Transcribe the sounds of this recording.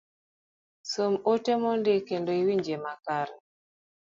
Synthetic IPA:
somotemɔndɪkendoiwiɲd͡ʒemakaɾɛ

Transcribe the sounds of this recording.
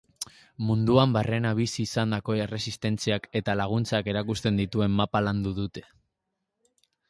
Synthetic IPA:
mund̪uambare̞naβ̞isiːsand̪ako̞ere̞sist̪e̞nt͡siake̞t̪alaɣ̞unt͡sake̞ɾakust̪e̞nd̪it̪ue̞mːapaland̪uðut̪e̞̥

